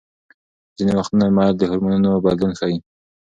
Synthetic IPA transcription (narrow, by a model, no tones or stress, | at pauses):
zinewaxt̪unamɑd̪əhʊɾmununobɑd̪lunxɑi